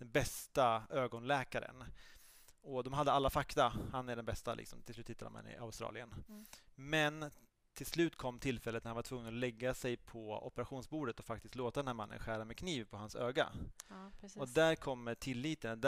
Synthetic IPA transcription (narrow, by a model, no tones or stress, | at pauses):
d̪̥ɛnbɛst̪aøːɡɔnlɛːkaɾə̰n | ɔd̪ɔmɦad̪ːəalːafakt̪ahanæɖɛnbɛst̪alɪ̰ksɔmt̪ɪslʉ̟t̪hɪt̪ːad̪ɔ̰ma̰nɪ̰ʔa̰ʊst̪ɾɑ̰ːlɪən | mɛn | t̪ʰɪlslʉ̟ːt̪kʰɔmːt̪ʰɪlfɛlːət̪næɾhanvaʈ̪ʰv̥ɵŋːənɔlɛɡːasɛjpʰɔɔ̰pəɾaɧuːnsbuːɖət̪ɔfak̚t̪ɪst̪loːt̪ad̪ɛnhæːɾmanːə̰nɧæːɾamɛkʰniːvpʰɔhansø̰ːɡa̰ | ɔd̪æɾkʰɔmːəʈʰɪlːiːt̪ənd̪